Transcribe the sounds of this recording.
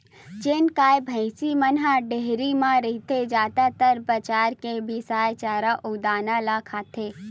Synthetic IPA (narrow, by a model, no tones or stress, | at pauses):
t͡ʃenkaːjbʱə̃ɪsimənɦãɖeɦɾimãɾəɦit̪ed͡ʒjaːd̪at̪əɾpət͡ʃaːɾkebʱisaːjt͡ʃaːɾaʔʊɡd̪aːnalaːkʰaːt̪ʰeː